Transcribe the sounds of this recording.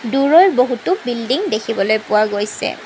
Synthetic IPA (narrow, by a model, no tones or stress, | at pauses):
duɹɔjɹboɦutʊbildiŋdekʰibɔlojpʊwaɡojsɛ̰